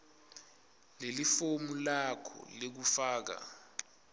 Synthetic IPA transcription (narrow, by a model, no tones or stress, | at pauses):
lelifomulakʰɔ̰lek̬ufaːk̬a̰